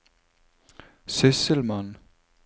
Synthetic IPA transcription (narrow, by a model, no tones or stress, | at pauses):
sesɪlman